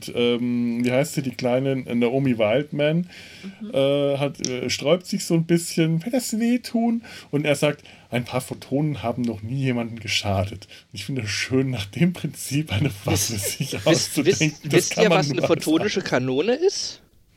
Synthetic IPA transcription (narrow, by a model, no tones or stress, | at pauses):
ʊntʔɛːmviːhaɪstiːdiːkl̥aɪnənaʔoːmivaɪltmɛn | ʔɛːɦatɛ̰ʃtʁ̥ɔʏptz̥ɪçz̥oːnbɪsçənvadasv̥eːtʰuːnʔʊnteːɐzaːk̚t | ʔaɪnpʰaːɐfotʰoːnənhaːbm̩nɔχniːjeːmandn̩ɡəʃaːdətʊntɪçfɪndədasʃøːnːaːχd̥eːmpʁ̥ɪnt͡siːpʔaɪnəfʁaəz̥ɪçʔaʊst͡suvd̥ɛŋkŋ̩d̥aɪstkʰaiːɐmaasnəfotʰoːnɪʃəkʰanoːnəɪst